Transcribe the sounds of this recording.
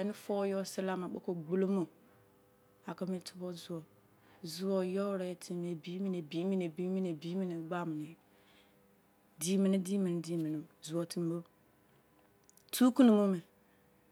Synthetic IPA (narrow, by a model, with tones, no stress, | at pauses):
e˨ni˦fo˦jo˦˨si˦la˦ma˨ɓo̰˦ko˨ɡ͡bu˦lo˦mo˦˨ | a˨ka˦mi˦tu̥˦bo˦zu˦wo˨ | zu˦wo˨jo˦ɾe˨˦tʰi˦me˨bi˦mi˦ne˨bi˦mi˦ne˨bi˦mi˦ne˨bi˦mi˦ni˨˦ɡ͡ba˦mi˨ne˨ | di˦mi˨ni˦di˦mi˨n˨di˦mi˨ni˨zu˨o˨ti˦m˦bo˦ | tu˦ku˦nu˨mu˦me˨